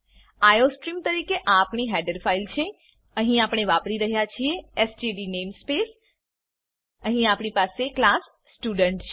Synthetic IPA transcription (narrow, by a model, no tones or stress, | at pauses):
ajosʈɾimt̪əɾikeʔãːpɳiɦɛɖəɾfailt͡ʃʰe | əɦĩapɳ̃eʋapɾiɾəɦjat͡ʃʰieːsd͡ʒiɖinemspes | əɦĩapɳipaseklasːʈjuɖəɳʈt͡ʃʰ